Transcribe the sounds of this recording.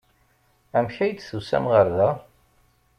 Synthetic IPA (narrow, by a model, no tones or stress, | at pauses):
æmçæjd̪θusæ̰mʁəɾðæ